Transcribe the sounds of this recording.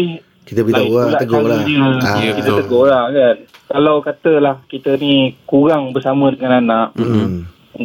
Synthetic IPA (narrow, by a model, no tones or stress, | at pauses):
i | kit̪əkit̪aalaʔ̪əɡɔlaəkit̪ət̪əɡɔlakankalawkat̪əlahkit̪ənikuɾaŋbərsamə̃dəŋananaʔ